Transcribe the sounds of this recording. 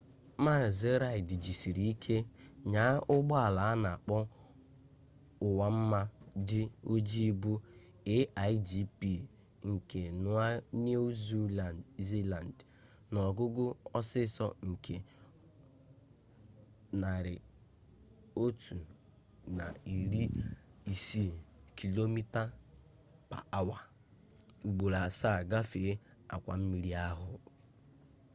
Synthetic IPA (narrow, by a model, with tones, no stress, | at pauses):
ma˦˨ze˦ɾa˨ɪ˨dɪ˨d͡ʒi˨si˨ɾi˦i˦kʰe˦ɲa˨˦ʔʊ˦ɡ͡bɔ˦a˨la˨a˦na˨a˨k͡pɔ˦ | ʊ˨wa˦m̩˦ma˦dɪ˦o˦d͡ʒi˦bu˦ | ɪ˦ʔa˨i˦d͡ʒi˦pi˦˨ | ŋ̩˨ke˨nʊ˦a˦n˦o˦zu˦˨zi˦la˨nd | nɔ˨ɡʊ˦ɡʊ˦ɔ˦sɪ˦sɔ˦ŋ̩˨kʰe˨ | na˨ɾɪ˨ | o˦tʰu˨ | na˨i˨ɾi˦i˨si˦kʰi˨lo˦mi˦ta˦ | pa̰˨a˦wa˨ | ɡ͡bʊ˨ɾa˨sa˦˨ɡa˦fe˨˦ | a̰˨kʷa˨m̩˦mi˨˦ɾi˦a˦ɦʊ˦